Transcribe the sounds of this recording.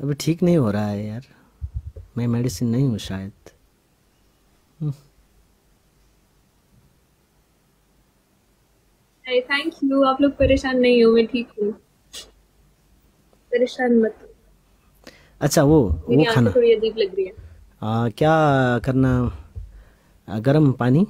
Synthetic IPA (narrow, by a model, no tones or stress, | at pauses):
ɐbʱiʈʰiːknɐɦĩɦoːɾaɦaɦɛjaːɾ | mɛ̃mɛːɖisənːɐɦĩɦʊ̃ʃaːjət̪ | ajt̪ʰɛ̃ːŋkjuːaːploːɡ̚pɐɾeːʃaːnːɐɦĩɦõmɛ̃ʈʰiːkɦũ | pɐɾeːʃaːnmɐt̪ũ | ɐtːʃʰaʋomeʋoiaːaːnaoːɽiɐd̪iːblɐɡɾiɛ̃ː | kjaːkɐɾna | ɡɐɾəmpaːni